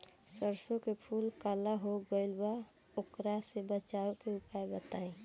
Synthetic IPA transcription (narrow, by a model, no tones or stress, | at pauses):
səɾsõkepʰuːlkalaɦoɡəɪlba | okɾasebət͡ʃaːwkeʊpaebət̪aːẽ